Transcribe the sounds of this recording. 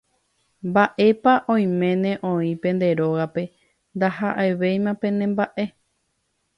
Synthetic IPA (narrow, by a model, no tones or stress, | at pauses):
mbaʔe̞paʔõ̞j̃mẽ̞nẽ̞ʔõĩpẽ̞nd̪e̞ɾo̞ɣape̞ | nd̪ahaʔeʋe̞jmãpẽ̞nẽ̞mbaʔe̞